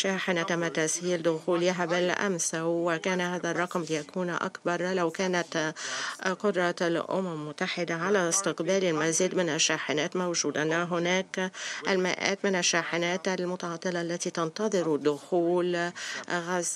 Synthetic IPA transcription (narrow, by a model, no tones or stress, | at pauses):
ʃaːħɪnat̪amːat̪ːashiːld̪ʊxuːlɦabɪlʔa̰msawːɪkæːnahaːðarˤːɑqmlɪjakʰuːnʔa̰kbɑɾˤlawkæːnat̪ | qʊd̪ɾˤɑlʔʊ̰mamːʊt̪ːaħɪd̪aʕalaɪst̪ɪqbæːlɪlmaziːd̪mɪnaʃːaːħɪnæːt̪mawʒuːd̪anaɦʊnæːkʔalmɪ̰ʔa̰ːt̪mɪnaʃːaːħɪnæːt̪ʔalmʊt̪ɑʕɑt̪ˤːɨlaʔalːat̪it̪ɑnt̪ɑðˤɨɾd̪ːʊxuːl | ɣaz